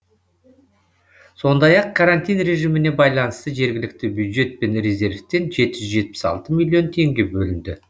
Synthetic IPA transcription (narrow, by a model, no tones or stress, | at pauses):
so̞nd̪ɑjɑqkʰaɾanʲt̪ʲijnre̞ʒimɪne̞bɑjlˠɑnəst̪əʒe̞ɾɡʲɪlɪk̚t̪ɪbjud̪ʒe̞t̪̚pe̞nrʲezʲe̞ɾft̪e̞nʒe̞t̪ɪʒʏʒe̞t̪̚pɪ̥sɑ̰lˠt̪əmilʲijo̞nt̪ʰe̞ŋɡʲe̞bɵlɪnd̪ɪ